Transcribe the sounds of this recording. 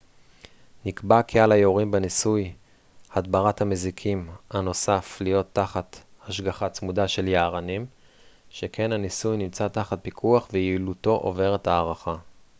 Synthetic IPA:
nikbakʰealajeoʁimbenisuj | hadbaʁathamezikʰimano̞saflijo̞t̪ːaχat | haʃɡaχat͡smudaʃe̞ljaːʁanim | ʃekʰe̞nhanisujnimt͡sataχat̚pikʰuaχvejiluto̞ʔo̰ve̞ʁetaːʁaχa

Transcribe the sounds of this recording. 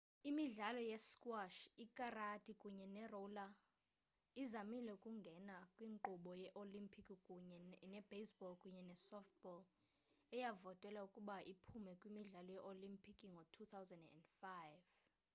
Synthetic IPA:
imiɮalɔjɛskʼwaʃikʼaratʼikʼuɲɛnɛrɔla | izamilɛukʼuŋɡʱɛnakʼwiŋǃuɓɔjɛʔolimpʰikʼikʼuɲɛnɛbesbɔlkʼuɲɛnɛsɔft̚bɔl | ɛjavɔtʼwɛlaukʼuɓaʔipʰumɛkʼwimiɮalɔjɛʔolimpʰʼikʼiŋɡʱɔtʰut̪ʰawzɛndɛ̰ndfajv

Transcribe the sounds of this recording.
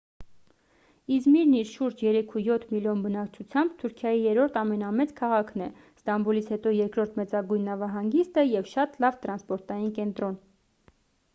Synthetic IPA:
izmiɾniɾʃuɾt͡ʃʰjɛɾɛkʰujɔt̪ʰmiljɔnbənɑkt͡ʃʰut͡sʰjɑmbt̪ʰuɾkʰjɑjijɛɾɔɾt̪ʰɑmɛnɑmɛt͡skʰɑʁɑkʰnɛ | st̪ɑmbulit͡sʰhɛt̪ɔjɛɾkɾɔɾt̪ʰmɛt͡sɑɡujnːɑvɑɦɑŋɡist̪əjɛvʃɑt̪lɑvt̪ɾɑnspɔɾt̪ɑjinkɛnt̪ɾɔn

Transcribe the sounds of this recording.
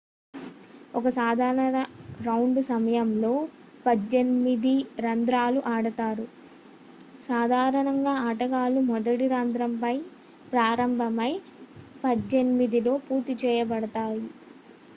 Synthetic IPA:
ɔkɐsaːd̪ʱaːɾɐɳɐnɐɾɐwɳɖsɐmɐjɐmlo̞ː | pɐd͡ʒenimid̪iɾɐnd̪ɾaːluʔaːɽɐt̪aːɾu | saːd̪ʱaːɾɐɳɐŋɡaːaʈɐɡaːlumɔd̪ɐʈiɾɐnd̪ɾɐmpɐj | pɾaːɾɐmbʱɐmɐj | pɐd͡ʒːenimid̪ilo̞ːpuːɾt̪it͡ʃɛːjɐbɐɽɐt̪aːji

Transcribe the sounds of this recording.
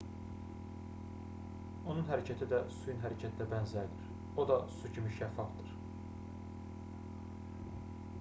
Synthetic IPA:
onunɦæɾæcʰæt̪ʰid̪æsujunɦæɾæcʰæt̪ʰd̪æbænzæɾd̪iɾ | o̞d̪ɑsucʰimiʃæfːɑfd̪iɾ̥

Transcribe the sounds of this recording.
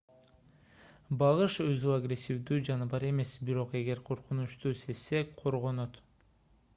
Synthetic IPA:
bɑʁɯʃøzyaɡrʲesʲːivd̪yːd͡ʒɑnɯbɑɾe̞me̞sbiɾo̞qe̞ɡe̞ɾqʰo̞ɾqunuʃt̪uːse̞sːeqʰo̞ɾʁo̞no̞t̪

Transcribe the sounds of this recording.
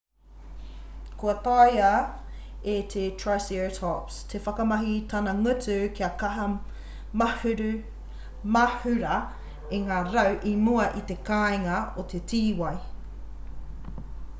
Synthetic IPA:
kʰuɐtajɐ | et̪ʰetʰɹajsitʰɔpst̪ʰefɐkɐmɐɦit̪ʰɐnɐŋʉt͡sʉkiɐkɐɦɐ | mɐhɾ | mɐhʉɾɐ | eŋaːɾɐwʔimuɐʔit̪ekaeŋɐot̪ʰetiːwɐj

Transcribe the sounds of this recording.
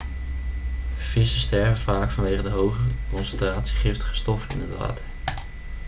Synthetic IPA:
v̥ɪsəstɛɹvəv̥aːkfɑnʋejχədəɦowχəkɔnsɛntraːtsi̥χɪftəχə̥stɔfənɪ̰nətʋa̰ːtəɹ

